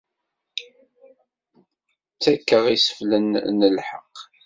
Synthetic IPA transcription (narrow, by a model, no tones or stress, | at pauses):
t͡sːækːəʁisə̥flənːəlħəqː